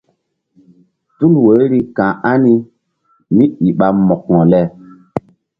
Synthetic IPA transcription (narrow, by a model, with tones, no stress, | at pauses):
tu˦lwə˨˦ɾi˦kã˨ʔa˦ni˦ | mi˦i˨ɓa˨mɔ˨kŋɔ˨lɛ˦